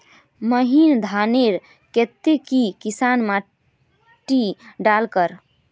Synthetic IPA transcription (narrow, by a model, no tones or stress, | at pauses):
məɦind̪ʱaneɾ | ket̪ːekikisanma | ʈiɖalkəɾ